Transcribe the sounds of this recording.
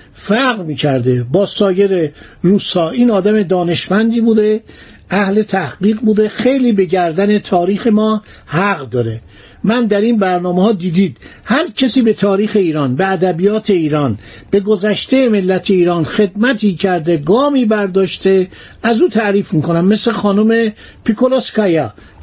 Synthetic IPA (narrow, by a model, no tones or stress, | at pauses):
fæɣɾmiːcʰæɾd̪ebɒːsɒːje̞ɾeɾuːshɒːiːnɒːd̪æme̞d̪ɒːne̞ʃmænd̪iːbuːd̪e | ʔæhle̞t̪ʰæhɡiːɣbuːd̪exe̞jliːbe̞ɟæɾd̪æne̞t̪ʰɒːɾiːxe̞mɒː | hæɣd̪ɒːɾe̞ | mænd̪æɾiːnbæɾnɒːmehɒːd̪iːd̪iːd̪̥hæɾcʰesiːbe̞t̪ʰɒːɾiːxe̞iːɾɒːnbe̞æd̪æbijɒːt̪ʰe̞iːɾɒːn | b̥e̞ɡozæʃt̪e̞jeme̞lːæt̪ʰe̞iːɾɒːnxe̞d̪̚mæt̪ʰiːcʰæɾd̪eɡɒːmiːbæɾd̪ɒːʃt̪e | æzuːt̪ʰæʔɾiːfmiːko̞næmːesle̞xɒːnume̞ | pʰikoloskɒjɒ